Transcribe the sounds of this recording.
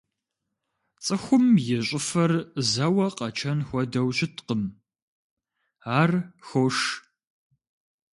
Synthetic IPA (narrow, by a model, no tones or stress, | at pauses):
t͡sʼɨxʷʊmjɪɕʼɪfɐrzɐwɐqɐt͡ʃʰɐnxʷɔɐdɐwɕɪtʰqəm | aːrxoʂ